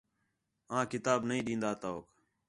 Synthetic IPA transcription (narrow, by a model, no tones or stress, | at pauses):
ãːkɪt̪aːbnəĩːɗĩːnd̪aːt̪aːoːk